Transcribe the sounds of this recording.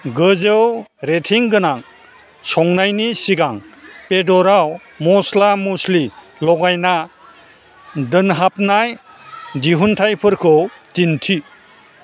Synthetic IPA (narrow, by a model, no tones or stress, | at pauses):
ɡɯzɯwɾetʰiŋɡɯnaŋ | sɔŋnajnisiɡaŋpedɔɾaw | mɔslamusli | lɔɡajna | dɯnɦap̚naj | d͡ʒiɦuntʰajpʰɯɾkʰɯtintʰi